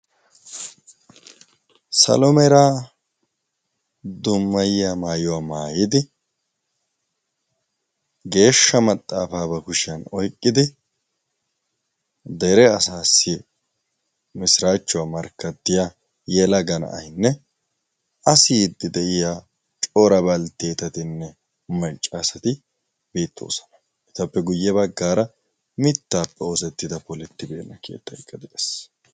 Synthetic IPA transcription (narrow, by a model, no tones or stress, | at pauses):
sɐ̰lɔmɛɾaː | d̪ʊmːɐjɪjamaːjɔwaːmaːjɪd̪ɪ | ɡe̞ːʃːɐmɐt̪ʼːaːfaːbɐkʊʃɪjɐnɔjkʼːɪd̪ɪ | d̪ɛɾɛɐsaːsːɪ | mɪsɾaːt͡ʃːʊwaːmɐɾkːɐt̪ːɪja | jɛlɐɡɐnɐ̰ʔɐ̰jnːɛ | ʔɐsɪjɪd̪ːɪd̪ɛʔɪjaː | t͡ʃʼo̞ːɾɐbɐlt̪eːt̪ɐt̪ɪnːɛ | mɐt͡ʃʼːasɐt̪ɪ | beːt̪ːo̞̰ːsɐ̥nɐ̥ | ʔɛt̪ɐpːɛɡʊjːɛbɐɡːaːɾɐ | mɪt̪ːaːpːɛoːsɛt̪ːɪd̪ɐpɔlɪt̪ːɪbeːnːɐkʰeːt̪ːɐkʼːɐd̪ɪd̪ɛ̥s